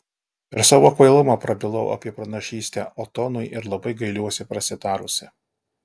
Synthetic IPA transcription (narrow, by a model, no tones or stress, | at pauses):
ɪɾsɑːʋoːɐkɐɪlˠʊmɑːpɾɐbʲɪlˠɐʊɐ̰pʲiɛpɾɐnɐʃʲiːsʲt̪ʲɛːʔɔt̪ɔnʊjʔɪɾlˠɐbɐɪɡɐɪlʲuɔsʲɪpɾɐsʲɪd̪ɑːɾʊsʲɪ